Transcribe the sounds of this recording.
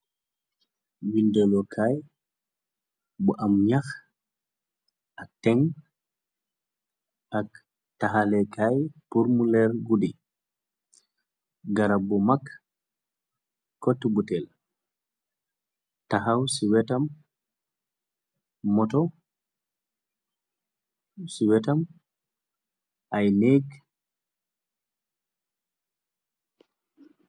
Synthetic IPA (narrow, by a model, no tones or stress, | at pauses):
windɛlɔkʰaj | bɔʔamɲax | ʔatːɛŋ | ʔak | taɦalɛkʰajpuɾmulɛɾɡudi | ɡaɾabɔmakː | kɔtːubutɛl | taɦawsiwɛtam | mɔtɔ | siwɛtam | ʔajneɡ